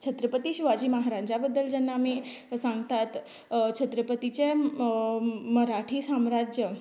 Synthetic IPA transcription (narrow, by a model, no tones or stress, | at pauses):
t͡ɕʰət̪ɾəpət̪iɕiʋad͡ʑiːməɦaɾaɲd͡ʑabəd̪ːəld͡ʑɛnːaːmi | sãŋɡt̪at̪ | t͡ɕʰət̪ɾəpət̪it͡ɕe | məɾaʈʰiːsamɾad͡ʑjə